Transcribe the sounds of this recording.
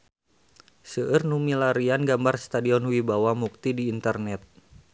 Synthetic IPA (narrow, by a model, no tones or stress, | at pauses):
səʔərnumilaɾianɡambarst̪adiɔnwibawamuk̚t̪idiːnt̪ərnɛt̪̚